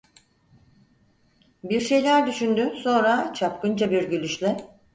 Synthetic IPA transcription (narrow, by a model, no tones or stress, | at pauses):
biɾʃe̞jlʲæɾd̪yʃynd̪yso̞nɾat͡ʃʰapkɯnd͡ʒabiɾɟylʲyʃlʲɛ